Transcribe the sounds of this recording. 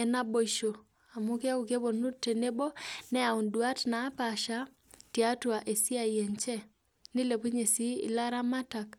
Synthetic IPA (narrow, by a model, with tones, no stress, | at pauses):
ɛ˨na˦bo˦˨ʃo˨ | a˨mu˦ke˦ku˨ke˦bo˨nu˦tːe˨ne˦bo˦nɛ˦a˨u˨ndwa˦tna˨˦pa˨ʃa˦ | tja˦twa˨ʔe˨si˦a˦˨jɛ˨ɲt͡ʃɛ˦ | ni˦le˨pu˦ɲe˨si˦ḭ˨la˦ɾa˦ma˦ta˨k